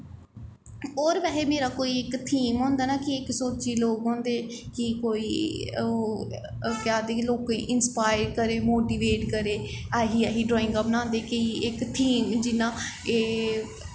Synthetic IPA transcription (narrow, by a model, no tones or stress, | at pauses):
oːɾʋɛːɦeːmeːɾaːkoːiːɪkt̪ʰiːmɦõːnd̪aːnaːkɪɪksoːt͡ʃiːloːkɦõːnd̪eːkɪkoːiːoː | kaːd̪eːkiloːkeʔɪnspaːɪɾkəɾeːmoːʈiːʋeːʈkəɾeːaɦiːaɦiːɖɾɔːɪ̃ŋɡəbnãːnd̪eːkɪɪkt̪ʰiːmd͡ʒɪnãːeː